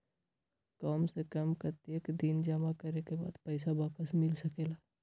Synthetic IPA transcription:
kaːmsekɐmkəɾt̪ekd̪ind͡ʒəmakəɾekeba̰ːd̪pɛɪsaʋaːpəsmɪlsɐkeːlaː

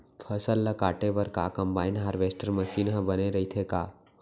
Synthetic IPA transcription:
pʰɐsəlːɐkaːʈeʋɐɾkaːkɐ̃mbaːɪnɦaːɾʋeːsʈəɾmɐʃiːnɦɐ̃bɐneɾɐit̪ʰekaː

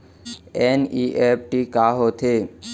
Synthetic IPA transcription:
eniʔep̚ʈikaɦot̪ʰe

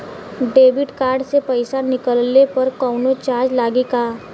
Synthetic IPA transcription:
ɖeːbɪʈkaːɾɖsepəɪsanɪkəlnepɐɾkɔːnot͡ʃaːɾd͡ʒlaːɡikaː

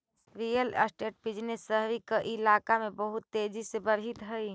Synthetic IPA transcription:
ɾiːjələ̰sʈeːʈ̚pɪd͡ʒnesəɦʋikaʔɪlaːkamẽbəɦʊt̪ːeːd͡ʒisebəɾɦɪt̪ɦɛi

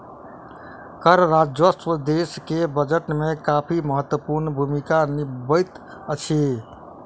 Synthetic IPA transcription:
kəɾɾad͡ʒʋəst̪ʋəd̪eskebəd͡ʒəʈmekapʰiməɦət̪wəpuɾnbʱumikanibəjt̪ | ət͡ʃʰi

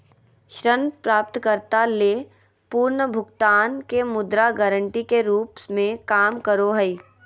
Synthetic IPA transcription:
ʃɾənpɾaːp̚t̪kəɾt̪aleː | puːɾnəbʱʊɡt̪aːnkemʊd̪ɾaɡəɾə̃ɳʈikeɾuːpsmẽkaːmkəɾoɦəi

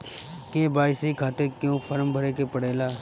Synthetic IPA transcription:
keːbaːɪsikʰaːt̪ɪɾkjõːpʰəɾmbʱəɾeːkepəɽeːlaː

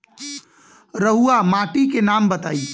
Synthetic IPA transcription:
ɾəɦuamaʈikenambət̪a̰ːi

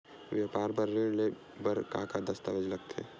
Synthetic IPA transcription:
ʋjaːpaːɾbəɾːele | bəɾka̰kad̪əst̪aʋed͡ʒlɐɡ̚t̪ʰeḛ

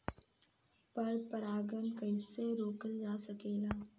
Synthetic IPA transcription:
pɐɾpəɾaːɡənkɐɪseɾoːkəld͡ʒaːsɐkeːlaː

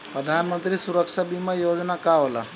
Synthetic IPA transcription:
pɾəd̪ʱanmənt̪ɾiːsuɾəkʂabimajod͡znakaʋla̰

